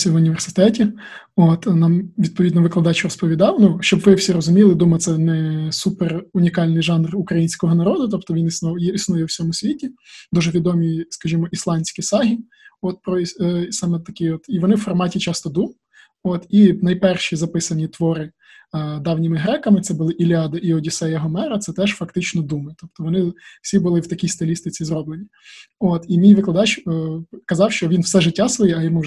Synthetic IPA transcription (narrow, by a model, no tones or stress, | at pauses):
sʲɐʋʊnʲiʋersɪ̥t̪ɛtʲi | ot̪nɑmʋʲid̪̚pɔʋʲid̪nɔʋɪklˠɐd̪ɑt͡ʃʊɾɔspɔʋʲid̪ɑwnuʃt͡ʃɔbʋɪwsʲiɾɔzʊmʲilˠɪd̪umɐt̪sɛnɛsuperʊnʲikɑlʲnɪjʒɑnrʊkɾɐjinʲsʲkɔɦɔnɐɾɔd̪ʊt̪ɔpt̪ɔʋʲinisnɔjɛisnʊjɛwsʲɔmʊsʲʋʲitʲid̪uʒɛʋʲid̪ɔmʲijskɐʒimɔʔislˠɑnʲsʲkisɑɦʲi | ɔt̪̚pɾɔsɑmɛt̪ːɐkɪjɔt̪iʋɔnɪwfɔrmɑtʲit͡ʃɑst̪ɔd̪um | ot̪inɐjpɛrʃizɐpɪsɐnʲit̪ʋɔɾɪ | d̪ɑwnʲimɪɦɾɛkɐmɪt̪sɛbʊlˠɪʔilʲiɑd̪ɐʔiɔdʲisɛjɐɦɔmɛɾɐt̪sɛt̪ɛʒfɐkt̪ɪt͡ʃnɔd̪umɪt̪ɔp̚t̪ɔʋɔnɪw̥sʲibʊlˠɪwt̪ɐkʲijst̪ɪlʲist̪ɪt͡sʲizrɔblˠenʲːɐ | ot̪imʲijʋɪklˠɐd̪ɑt͡ʃː | kɐzɑwʃt͡ʃɔʋʲinwsɛʒɪtʲːasʋɔjɛɐjɔmu